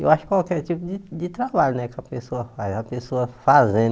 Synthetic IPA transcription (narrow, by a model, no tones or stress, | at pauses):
ewaʃʊkkwawkɛɾt͡ʃipʊd͡ʒɪd͡ʒɪt̪ɾabaʎʊnɛkɐpesoɐfajzɐpesoɐfazẽ